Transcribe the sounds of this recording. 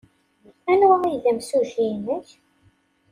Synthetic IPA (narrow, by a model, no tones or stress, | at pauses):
ænwəʁiðæmsuʒinəç